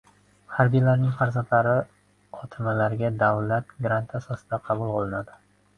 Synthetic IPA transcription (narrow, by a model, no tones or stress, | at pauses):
haɾbijlaɾnɪŋqʰaɾzat̪aɾɪ | ɒt̪ʰɪmalaɾɡʲad̪awlat̪ɡɾant̪ʰasɒsɪd̪aqʰɑbʊlˠqʰolˠɪnad̪ɪ